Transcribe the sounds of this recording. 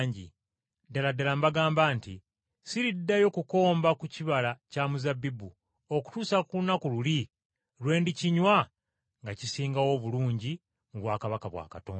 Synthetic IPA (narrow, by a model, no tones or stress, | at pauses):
ɲɟḭ | daladalambaɡaːmbaːnti | siɾidːajo̞kuko̞ːmbakuciβalacamuzabːibu | oku̥tuːsakulunakululi | lwe̞ːndiciɲwa | ŋɡacisiːŋɡawo̞βuluːɲɟi | muβwaːkaβakaβwa̰ːkato̰ː